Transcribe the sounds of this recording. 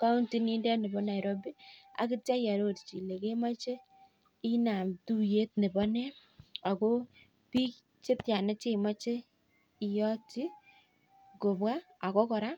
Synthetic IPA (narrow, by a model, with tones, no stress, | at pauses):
ka˦u˦nti˦ni˦ndɛ˦ne˨bɔ˦na˨i˨ɾɔ˦bi˦a̰˨kɪ˦tja˦ja˨ɾo˦tt͡ʃi˨le˨ke˦ma˦t͡ʃe˦ | i˦na˨mtu˦je˦t̚ne˨bɔ˦nɛ˦ | a˨ko˦ | pi˦k | t͡ʃe˦tja˨ne˦t͡ʃe˦˨ma˦t͡ʃe˦ | i˨jɔ˦ti˦ | ko˨bwa˦ | a˨kɔ˦kɔ˨ɾa˦